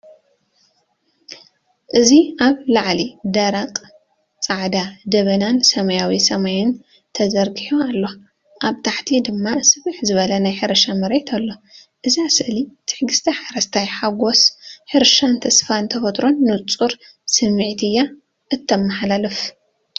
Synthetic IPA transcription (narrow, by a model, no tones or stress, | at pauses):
ʔɨziaβlaʕlid̪ɐɾaqʼ | t͡sʼaʕd̪ad̪ɐβɐnansɐmɐjawisɐmajɪn | t̪ʰɐzɐɾɡiħoalːo̞ | ʔaβt̪ʰaħt̪ʰid̪ɨmːasɨβɨħzɨβɐlɐnajħɨɾɐʃamɐɾejt̪ʰɐlːo̞ʔɨziasɨʔlit̪ʰɨ̥ħɡɨst̪ʰɐħaɾɐst̪ʰajħaɡosħɨɾʃant̪ʰɐsfant̪ʰɐfɐt̪ɾo̞nːɨt͡sʼuɾ | sɨmːɨʕt̪ʰɨjːa | ʔɨt̪ʰːɐmːaħlalɨf